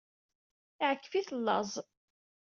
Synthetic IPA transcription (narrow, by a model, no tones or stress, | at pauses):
iʕəkːə̥fiθəlːɑ̰zˤ